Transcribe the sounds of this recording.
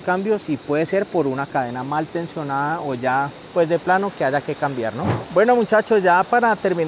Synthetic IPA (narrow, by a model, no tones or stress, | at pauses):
kambjo̞sipwe̞ðese̞ɾpo̞ɾunakaðe̞namalt̪e̞nsjo̞naðaoʝa | pwe̞zd̪e̞plano̞ke̞aʝake̞kambjaɾnobwe̞no̞mut͡ʃat͡ʃo̞zd͡ʒapaɾat̪e̞ɾmĩn